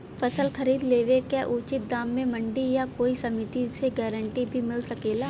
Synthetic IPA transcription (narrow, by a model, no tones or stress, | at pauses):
fɐsəlxɐɾiːd̪leːʋekeʔuːt͡ʃɪt̪̚d̪aːmːẽmɐ̃ɳɖijakoːisɐmɪt̪iseɡɛːɾəɳʈibʱimɪlsɐkeːlaː